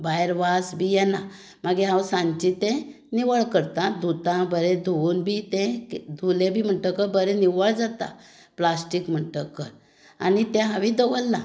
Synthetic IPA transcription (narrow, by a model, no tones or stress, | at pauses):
bajɾʋasbʱijɛna | maɡiɦãwsãɲt͡ɕit̪ẽ | niʋəɭkəɾt̪ad̪ʱut̪ãbəɾed̪ʱunbʱit̪ẽkd̪ʱulebʱiːm̤əʈəkəbəɾeniʋəɭd͡zat̪a̰ | plasʈikm̤əʈəkə | a̰nit̪ɛ̃ɦãʋid̪əʋəlːã̰